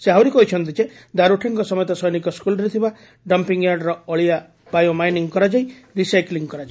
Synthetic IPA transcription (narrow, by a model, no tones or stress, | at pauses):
seawɾikɔɦit͡ʃʰɔnt̪id͡ʒe | d̪aɾuʈʰiŋkɔsɔmɔjt̪asɔjnikɔskulɔɾit̪ʰiba | ɖɔmpiŋjaɾɖɾɔɔɭia | b̥ajomajniŋkɔɾad͡ʒaj | ɾisajkliŋkɔɾad͡ʒa